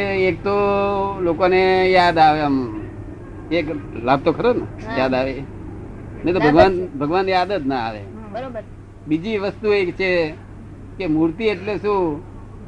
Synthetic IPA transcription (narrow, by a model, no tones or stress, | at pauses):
eek̚t̪olokonejad̪aʋeəm | eklab̚t̪okʰəɾonəjad̪aʋe | net̪obʱəɡʋanbʱəɡʋanjad̪ət̪naa̰ʋḛ | ɾ | bid͡ʒiʋəst̪uekt͡ʃʰe | kemuɾt̪ieʈleʃũ